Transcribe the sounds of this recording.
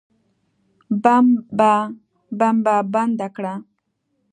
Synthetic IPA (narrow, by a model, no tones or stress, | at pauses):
bamba | bambaband̪akɾa